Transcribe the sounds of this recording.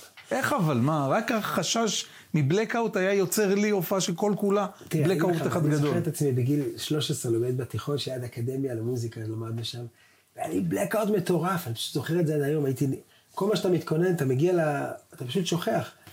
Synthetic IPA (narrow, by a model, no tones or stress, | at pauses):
ʔe̞χavalmaʁakaχaʃaʃ | miblekawt̪ajajo̞t͡se̞ʁliofaʃelko̞lkulat̪blekaut̪aχad̪ɡad̪oeet̪at͡smibeɡilʃlo̞ʃesʁelomed̪bat̪iχo̞nʃajad̪akad̪e̞mjalemuzikalamad̪̚neʃam | veaniblekawt̪me̞t̪o̞ʁafanipḁʃu̥t̪zo̞χeetdzeajo̞majit̪i | ko̞lmaʃ̬at̪amit̪kʰo̞ne̞nat̪ameɡialaːt̪apaʃut̪ʃo̞χe̞aχ